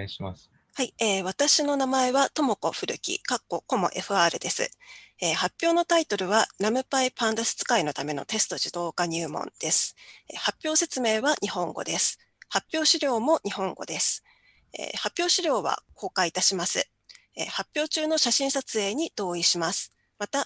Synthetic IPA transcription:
haieːβ̞at̪aɕino̞namae̞βat̪o̞mo̞ko̞ɸɯ̟ɾɯ̟kʲḭkakːo̞ko̞mo̞̰ʔe̞̰ɸɯ̟aːɾɯ̟d̪e̞sɨ̰eːhapʲːjo̞ːnot̪ait̪o̞ɾɯ̟βaɾamɯ̟paipãnd̪asɨ̥t͡sɨ̥kaino̞t̪ame̞no̞̰t̪e̞sɨ̥t̪o̞ʑɨd̪o̞ːkaɲ̟ɯ̟ːmõ̞̰nd̪̥e̞sɨ̥ḛhapʲːjo̞ːse̞t͡sɨme̞ːβaɲʔihõ̞ŋɡo̞̰d̪e̞sɨ̥ | hapʲːo̞ːɕiɾʲo̞ːmo̞ɲ̟ihõ̞ŋɡo̞̰d̪e̞sɨ̥ | ḛːhapʲjo̞ːɕiɾʲo̞ːβa̰kʰo̞ːkait̪aɕimasɨ̰ | eːhapʲːo̞ːt͡ɕɨːno̞ɕaɕĩɰ̃sat͡sɨe̞ːɲ̟id̪̥o̞ːiɕimasɨ̥ | mat̪a

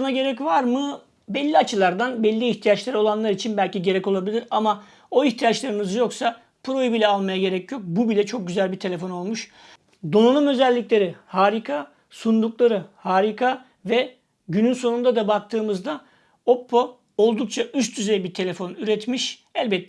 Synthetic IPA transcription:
naɟe̞ɾɛcvaɾmɯ | bɛlʲːiat͡ʃʰɯlˠaɾd̪anbɛlʲːiiçt̪ʰijat͡ʃlʲˠaɾo̞lˠanlˠaɾit͡ʃʰinbælʲciɟe̞ɾɛco̞lˠabilʲiɾama | o̞içt̪ʰijat͡ʃlˠaɾɯnɯzjo̞ksa | pʰɾo̞jibilʲɛalˠmajaɟe̞ɾɛcʰjo̞k̚bubilʲɛt͡ʃʰo̞k̚ɟyzælʲbiɾt̪ʰe̞lʲe̞fo̞no̞lˠmuʃ | d̪o̞nanɯmø̞zɛlʲːiclʲe̞ɾihaːɾikʰa | sund̪uklˠaɾɯhaːɾikʰa | vɛ | ɟynynso̞nund̪ad̪abak̚t̪ʰɯːmɯzd̪a | o̞pʰːo̞ | olˠd̪uk̚t͡ʃʰaʔyst̪ʰyzejbiɾt̪ʰe̞lʲe̞fo̞nyɾɛt̪miʃ | ɛlʲbɛt̪ː

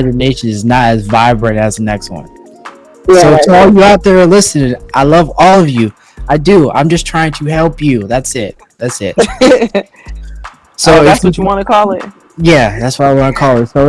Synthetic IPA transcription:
ðəneɪʃɨ̃nɨznəɾɨzvaɪbɹɨ̃nɨzðɨnɛkst̚wʌ̰̃n | soʊtʰlˠjə˞aʊt̪̚ðə˞lɪsɨnɪ̃ŋʔaɪlʌvɔlˠʌvjʉ | ʔaɪduã̰ɪ̃md͡ʒʌstʰɹ̥aɪɪ̃ŋtʰɨhɛlˠpjʉðætsɪt̚ | ðætsɪt̚ | soʊswʌt͡ʃəwɑ̃nɨkʰɔlˠɪt̚ | jæðætswaɾɪaɪwɑ̃nɨkʰɔlˠɨtsoʊ

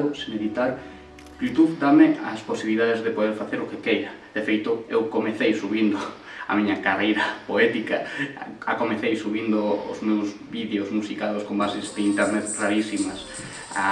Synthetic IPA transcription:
ʊsɪmeðit̪aɾ | ʎut̪uβd̪amɪasposiβiliðaðezðepoðeɾfaθeɾokekejɾɐ | ðefejt̪ʊewkomeθejsuβind̪ʊ | ɐ̰miɲɐkarejɾɐpoɛt̪ikɐakomeθejsuβind̪ʊʊ̰zmewz | βiðeosmusikaðoskombasezd̪eint̪eɾnet̪raɾisimas | a

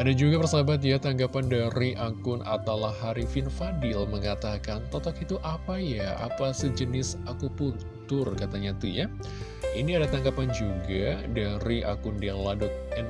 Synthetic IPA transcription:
adad͡ʒuɡapərsabat̪̬̚jat̪aŋɡapandaɾiʔakʊna̰t̪awlahaɾifɪnfadɪlməŋat̪akant̪ɔt̪akit̪uʔapajaa̰pasəd͡ʒənɪsakupʊn | t̪ʊrkat̪aɲat̪uja | iniadat̪aŋɡapand͡ʒuɡadaɾiʔa̰kʊndiaŋladʊk̚ɛn

